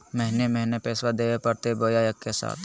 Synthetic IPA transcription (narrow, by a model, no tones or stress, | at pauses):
mɛɦnemɛɦnepeːswad̪eːʋepɐɾt̪eboːjaːjəkːesa̰ːt̪ʰ